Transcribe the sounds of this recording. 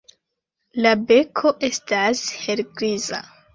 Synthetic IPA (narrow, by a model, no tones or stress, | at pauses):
labe̞kʰo̞ʔe̞stashe̞lɡɾiza̰